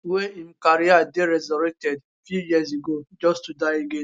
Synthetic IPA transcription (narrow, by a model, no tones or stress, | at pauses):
weim̩kaɾiadeɾɛzɔɾek̚tɛd | fjujizeɡod͡ʒɔstudaɪiɡɪ